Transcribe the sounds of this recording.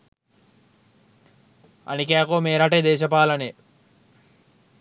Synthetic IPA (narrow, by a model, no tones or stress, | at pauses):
a̰nikeakoːmeːɾaʈed̪eːʃɐpaːlɐne